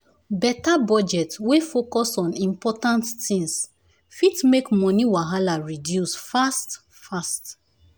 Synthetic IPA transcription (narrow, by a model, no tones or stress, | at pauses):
bɛtabɔd͡ʒɛtwefokɔsɔ̃nĩmpɔtãnttĩŋs | fitmekmɔ̃niwaɦalaɹidjusfast | fast